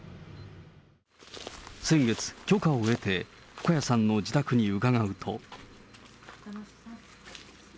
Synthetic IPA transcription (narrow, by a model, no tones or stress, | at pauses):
sẽ̞ŋɡe̞t͡sɨ̥kʲo̞kaoe̞t̪e̞ | ɸɯ̟̥kajasãnːo̞d͡ʑit̪akɯ̟ɲ̟iɯ̟kaɡaɯ̟t̪ʰo̞̰